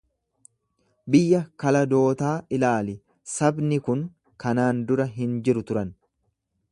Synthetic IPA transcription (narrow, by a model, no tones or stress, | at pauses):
bɪjːɐkɐlɐd̪o̞ːt̪aːʔɪlaːlɪ | sɐbnɪkʊŋ | kɐnaːnd̪ʊɾɐɦɪnd͡ʒɪɾʊt̪ʊɾɐn